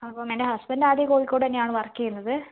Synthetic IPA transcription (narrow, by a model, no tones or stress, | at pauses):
ɐpːomendeɦɐsbɐndaːd̪jɐkoːɻikʲːoɽɐnːejaːɳɨʋɐrɐkːijunːɐðɨ